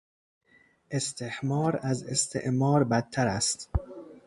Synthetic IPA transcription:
ʔe̞st̪ʰehmɒːɾæze̞st̪ʰḛʔmɒːɾbæd̪̚ʰːæɾæst̪

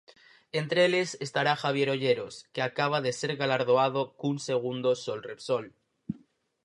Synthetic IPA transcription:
e̞nt̪ɾeele̞sest̪aɾaxaβ̞je̞ɾo̞ʝe̞ɾo̞skeakaβ̞aðe̞se̞ɾɣalaɾð̞oað̞o̞kunse̞ɣ̞und̪o̞so̞lre̞pso̞l

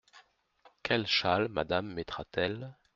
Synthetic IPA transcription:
kʲʰɛlʃalma̰d̪amːet̪χat̪ɛl

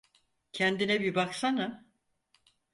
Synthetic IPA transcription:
cʰɛnd̪inɛbibaksanɯ

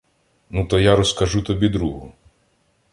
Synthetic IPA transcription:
nut̪ɔjaɾɔskɐʒut̪ɔbʲid̪ɾuɦʊ

